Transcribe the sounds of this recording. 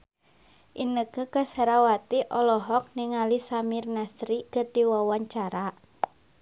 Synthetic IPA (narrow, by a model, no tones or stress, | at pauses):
ʔinəkəkəsaɾawat̪iʔɔlɔɦɔk̚niŋalisamirnasɾikɨrdiwawaɲt͡ʃaɾa